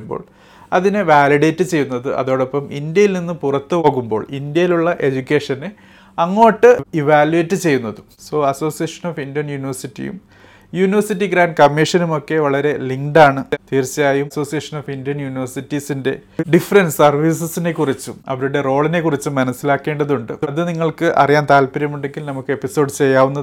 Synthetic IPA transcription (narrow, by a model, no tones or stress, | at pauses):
mbo̰ːɭ | ɐðineʋaːliɽeːtːɨt͡ɕe̞jːunːɐðɨʔɐ̰ðo̞ːɽopːɐmind̪jɐjilninːɨpurɐt̪ːɨpoːɣumbo̞̰ːɭind̪jɐjiluɭːɐʔe̞d͡ʑukʲːe̞ːʂɐnɨ | ɐŋːo̞ːʈːɨiʋaːljuetːɨt͡ɕe̞jːunːɐðu | so̞ːɐso̞ːsijɐːʂɐnoːfindijɐnjuːniʋɐrsitːḭjṵm | juːniʋɐrsitːiɡɾaːnkɐmːiʂɐnumo̞kːe̞ʋɐɭɐɾe̞liŋɖaːɳɨt̪iːrt͡ɕːjaːjumso̞ːsijɐːʂɐnoːfindjɐnjuːniʋɐrsitːisinde̞ɖifɐrɐnsɐrʋiːsɨsine̞kːurit͡ɕːumɐ̰ʋɐɾuɽe̞ro̞ːɭine̞kːurit͡ɕːumɐnɐsːilaːkːe̞ːɳɖɐðuɳɖɨɐðɨniŋːɐɭkɨʔɐ̰rijaːnt̪aːlpɐɾjɐmuɳɖe̞ŋɡilnɐmukːɨe̞pːiso̞ːɖt͡ɕe̞jːaːʋunːɐð